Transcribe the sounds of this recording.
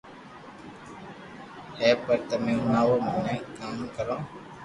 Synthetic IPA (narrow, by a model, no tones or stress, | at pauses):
heːpəɾt̪əmẽːũːnaːʋoːmãːnẽːkaːmkəɾõː